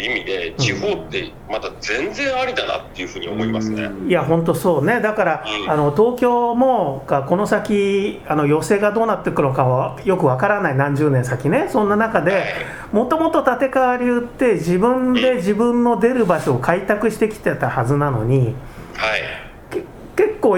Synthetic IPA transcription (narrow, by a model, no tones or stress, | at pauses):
imʲid̪e̞iho̞ːt̪ːḛ | mat̪ad͡zẽ̞nd͡zẽ̞ɰ̃aɾʲit̪ana̰t̪ːe̞jɯ̟ɸɯ̟ːɲio̰mo̞imasɨḛiaɦõ̞nt̪o̞so̞ːne̞d̪akaɾaano̞t̪o̞ːkʲo̞ːmo̞ɡako̞no̞sakʲiano̞jo̞se̞ːɡad̪o̞ːnat̪ːekɯ̟nokaβajo̞kɯ̟βakaɾanainãɲ̟d͡ʑɨːnẽ̞ɰs̬akʲine̞sõ̞nːanakad̪e̞ | mo̞t̪o̞mo̞t̪ot̪at̪e̞kaβaɾʲijɯ̟t̪ːe̞d͡ʑibɯ̟̃nd̪e̞ʑibɯ̟̃nːo̞d̪e̞ɾɯ̟baɕo̞ːkait̪akɯ̟ɕi̥t̪e̞kʲi̥t̪et̪ahazɨnano̞̰ɲ̟ihai | k | ke̞kːo̞ː